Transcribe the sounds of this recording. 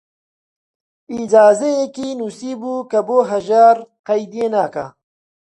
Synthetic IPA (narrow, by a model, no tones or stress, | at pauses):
id͡ʒaːzejekiːnuːsiːbuːkɐboːɦɐʒaːɾqɐjd̪ijeːnaːka̰